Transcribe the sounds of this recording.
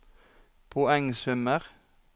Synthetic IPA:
pʰʊɛŋsʉməʁ

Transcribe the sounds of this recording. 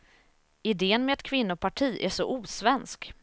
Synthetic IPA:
ɪd̪eːənmɛɛt̪kʰvɪnːʊpʰaʈʰiːʔæ̰ʂɔ̰ʔuːsvɛnsk

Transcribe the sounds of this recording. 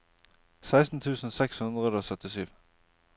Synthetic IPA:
sæɪst̪n̩t̪ʰʉːsn̩sɛkshʉnd̪ʁəd̪oːsœt̪ɪsyːʋ

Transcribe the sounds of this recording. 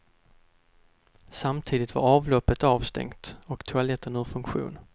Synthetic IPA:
samt̪ʰiːd̪ɪt̪va̰ɾɑːvlɔpːət̪ɑːvst̪ɛ̰ŋt̪ɔkt̪ʰʊalɛt̪ːənɵːfɵŋkɧṵːn

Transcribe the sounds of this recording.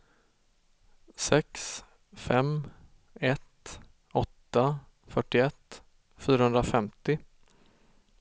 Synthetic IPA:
sɛks | fɛm | ɛt̪ | ɔt̪ːa | fœʈːɪɛt̪ː | fyːɾahɵnd̪ɾafɛmt̪ɪ

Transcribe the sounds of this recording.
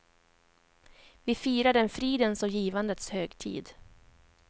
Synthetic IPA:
vɪfiːɾad̪əɛnfɾiːd̪ənsɔjiːvand̪ət̪shøːɡt̪ʰḭːd̪

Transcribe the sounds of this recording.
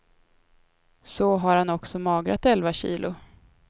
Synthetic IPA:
sɔɦaɾhanɔksɔmɑːɡɾa̰t̪ɛlvaɕḭːlʔʊ

